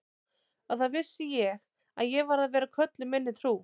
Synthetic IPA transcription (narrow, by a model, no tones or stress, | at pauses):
aθaðvɪsːɪjɛɣ | a̰ðjɛɣvaɾðavɛːɾakʰœt̪lʏmɪnːɪt̪ʰɾuː